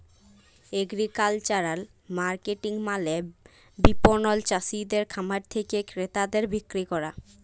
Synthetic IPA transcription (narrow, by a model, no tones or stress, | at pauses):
eɡɾikalt͡ɕaɾal | maɾkeʈiŋmale | biponɔlt͡ɕasid̪eɾkʰamaɾt̪ʰekekɾet̪ad̪eɾbikɾikɔɾa